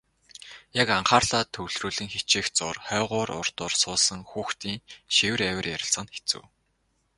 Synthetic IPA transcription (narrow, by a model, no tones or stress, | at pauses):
jakaɴχaːrɮaːt̪ʰːɵwɮruːɮɘ̆ŋxet͡ɕiːxt͡sʊrχœːʁʊːɾʊ̰r̥t̪ʊːrsʊːsə̆ŋxuːxt̪iːŋʃiwɘ̆ræwʲɘ̆rjæɾʲɪ̆sə̆nxe̥t͡sɘ̰̆w